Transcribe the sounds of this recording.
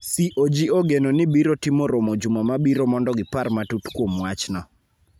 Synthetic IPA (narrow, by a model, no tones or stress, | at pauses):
siʔod͡ʒioɡenonɪbiɾotimoɾomod͡ʒumɔmabiɾomɔndɔɡɪparmatutkwomwat͡ʃnɔ